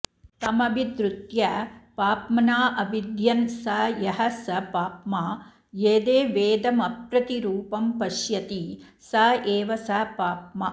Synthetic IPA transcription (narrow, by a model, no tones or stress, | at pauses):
t̪ɐmɐbʱid̪ɾut̪jɐpaːpmɐnaːʔɐbid̪jɐnsɐjɐɦɐsɐpaːpma | jeːd̪eːʋeːd̪ɐmɐpɾɐt̪iɾuːpɐmpɐʃjɐt̪i | sɐʔeːʋɐsɐpaːpmɐ